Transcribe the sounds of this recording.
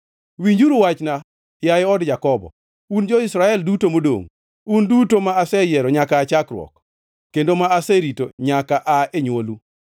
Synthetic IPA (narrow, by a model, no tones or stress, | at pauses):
wiɲd͡ʒuɾuwat͡ʃna | jajɪɔdd͡ʒakɔbɔ̰ | und͡ʒɔisɾaɛldutomodo̰ŋ | undutomaasɛjɛɾɔɲakaːt͡ʃakɾwɔ̰k | kːendomaːsɛɾitoɲakaʔaeɲwolu